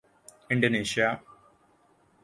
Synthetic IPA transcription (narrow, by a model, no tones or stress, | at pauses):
iɳɖoniːɕija